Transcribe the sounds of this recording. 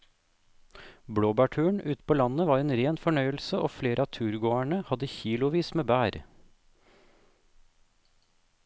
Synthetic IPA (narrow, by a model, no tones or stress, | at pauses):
bɽoːbæʈʰʉːəɳʉːt̪pʰoːlɑnəʋɑːɾeːnɾeːnfɔɳœʏəl̩səʔoːfleːɾʔəɑːt̪ʰʉːɾɡoːæɳəhɑd̪əçiːlʊʋiːsmeːbæːɾ